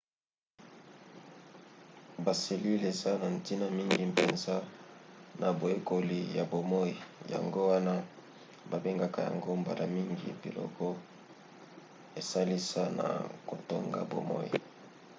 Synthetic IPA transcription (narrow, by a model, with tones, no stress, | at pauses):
ba˨se˨li˦le˨za˦na˨n̩˨ti˦na˦mi˦ŋɡi˨m˨pe˨nza˦ | na˨bo˨e˦ko˨li˨ja˨bo˨mɔ˦i˨ja̰˨ŋɡo˦wa˦na˦ | ba˨be˦ŋɡa˦ka˨ja̰˨ŋɡo˦mba˨la˨mi˦ŋɡi˨pi˨lɔ̰˨kɔ˦ | e˨sa˦li˦sa˦na̰˨ko˨to˦ŋɡa̰˦bo̰˨mɔ̰˦ḭ˨